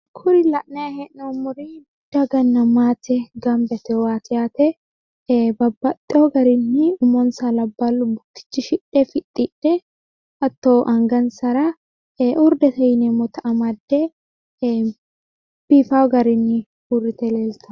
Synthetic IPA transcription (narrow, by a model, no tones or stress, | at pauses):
kʰʊɾɪlɐʔnɛahɛʔnomʊɾi | d̪̥ɐɡɐnːɐmaːt̪ɛɡɐmbɛt̪ɛwaːt̪ɪaːt̪ɛ | bɐbːɐt̪ʼːɛoɡɐɾɪnːɪʊmːɔnsalɐbːalʊbʊt̪ːɪ̥t͡ʃːɪʃɪᶑɛfɪᶑʼɪᶑɛ | ʔɐt̪ːoːʔɐŋɡɐnsɐɾa | ʔʊɾd̪ɛt̪ɐjnɛmɔt̪ɐʔɐmɐd̪ːɛ | b̥ifaːwɡɐɾɪnːɪ | ʊrːɪt̪ɛleːlt̪ɐ